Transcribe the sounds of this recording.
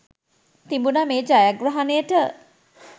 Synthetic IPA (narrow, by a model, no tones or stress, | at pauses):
t̪imbunameːd͡ʒajaɡɾaɦanejəʈə